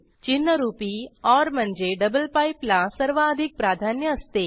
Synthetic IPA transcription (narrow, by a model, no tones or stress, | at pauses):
t͡ʃinːəɾuːpiɔːɾm̤ə̃nd͡ʒeɖəbəlpaiplasəɾʋaːd̪ʱik̚pɾaːd̪ʱaːnjəːst̪eː